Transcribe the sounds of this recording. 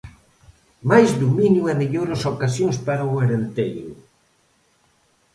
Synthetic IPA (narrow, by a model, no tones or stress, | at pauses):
majzd̪umĩnjuɛmeʎoɾosokasjõŋspaɾaoeɾent̪ejɾʊ̰